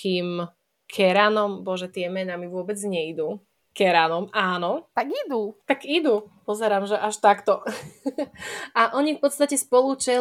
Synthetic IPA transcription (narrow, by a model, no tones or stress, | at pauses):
kiːm | kʰɛɾanɔmbɔʒɛt̪ɪɛmɛnamiʋʊɔbɛd͡zɲɛid̪u | kɛɾanɔmʔaːnɔt̪aɡid̪ut̪aɡid̪upɔzɛɾaːmʒɛʔaʃt̪akt̪ɔ | aʔɔɲifpɔt̪st̪acɛspɔlut͡ʃɛ